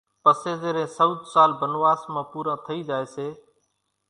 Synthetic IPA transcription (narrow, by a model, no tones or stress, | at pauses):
pəseːzeːɾẽːsəd̪saːlbənʋaːsmãːpuːɾãːt̪ʰəiːd͡ʒaːeːseː